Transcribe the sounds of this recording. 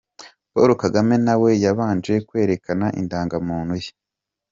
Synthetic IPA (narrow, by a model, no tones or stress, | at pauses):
poɾokaɡame̞nawe̞jaβaːnd͡ʒe̞kwe̞ːɾe̞kanaʔḭndaːŋɡamuːn̥huje̥